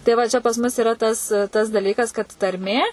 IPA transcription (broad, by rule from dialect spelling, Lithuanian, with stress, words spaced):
tɐɪ ˈʋɐ t͡ʃʲɛ pɐs ˈmʊs ɪˈrɐ tɐs tɐs dɐˈlʲiːkɐs kɐt tɐrʲˈmʲeː